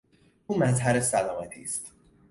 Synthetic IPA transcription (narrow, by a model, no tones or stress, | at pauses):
uːmæzɦæɾesælɒmæt̪ʰḭːst̪ʰ